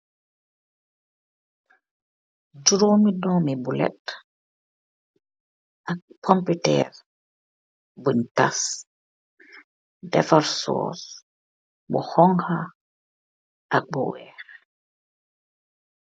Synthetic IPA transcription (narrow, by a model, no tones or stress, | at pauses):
d͡ʒuɾomidɔmibulɛ̰t | ʔak̚pʰɔmputɛ̰ɾ | bunta̰s | dɛfaɾsɔ̰s | bɔ̰hɔŋha | ʔak̚bɔ̰wɛɾ